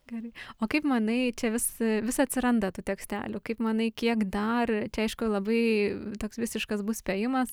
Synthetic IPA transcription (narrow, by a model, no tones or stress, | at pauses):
ɡʲɛɾɐɪoːkɐɪpmɐnɐɪt͡ʃʲɛʋʲɪsʋʲɪsɐt̪ʲsʲɪɾɐnd̪ɐt̪uːtʲɛksʲt̪ʲæ̰ːlʲʊkɐɪpmɐnɐɪkʲiɛkd̪ɐrt͡ʃʲɛɐɪʃkʊlˠɐbɐɪt̪oːksʋʲɪsʲɪʃkɐsbʊsʲpʲɛjɪmɐs